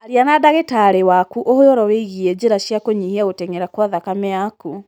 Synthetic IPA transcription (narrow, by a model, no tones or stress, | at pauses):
aɾianadaɣetaɾewakuʔohojɔɾɔweiɣiɛd͡ʑeɾaʃjakoɲihiaotɛŋeɾakwaðakamɛaku